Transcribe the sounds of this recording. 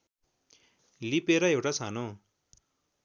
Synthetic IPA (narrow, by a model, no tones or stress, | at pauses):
lipeɾʌewʈat͡sʰano